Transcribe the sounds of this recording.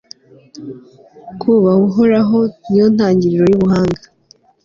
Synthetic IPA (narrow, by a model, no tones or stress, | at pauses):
kʰuβaɡuɦoɾaɦo̞nijon̥haːɲɟiɾiɾo̞juβuɦaːŋɡa